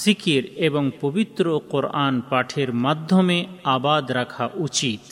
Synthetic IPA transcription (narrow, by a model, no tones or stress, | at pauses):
sɪkiɾebɔŋpobɪt̪ɾoqʊɾaːnpaːʈʰeɾmɐd̪ʱːomẽaːbaːd̪ɾɐkʰaʔut͡ʃiːt̪